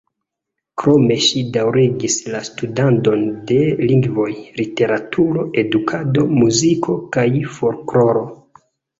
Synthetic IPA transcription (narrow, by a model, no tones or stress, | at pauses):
kɾo̞me̞ʃidawɾiɡislastudanto̞nde̞liŋɡvo̞jlite̞ɾatʰuɾo̞ʔe̞dukʰado̞muzikʰo̞kajfo̞ɾklo̞ɾo̞